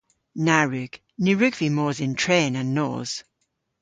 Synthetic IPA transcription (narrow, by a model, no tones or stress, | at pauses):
naɹʉɡ̥ | nʉɹʉɡv̥imɔːzɪ̃ntʰɹ̥eːnə̃nːɔ̰ːz̥